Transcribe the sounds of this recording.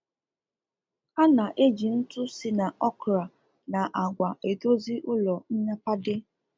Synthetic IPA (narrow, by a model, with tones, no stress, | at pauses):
a˦na˨ʔe˦d͡ʒi˨n̩˦tʊ˦si˦na˨ʔɔ˦kɾa˨ | na˨ʔa˨ɡʷa˨ʔe˨do˦zi˦ʔʊ˦lɔ˨n̩˦ɲa˦pa˦dɪ˦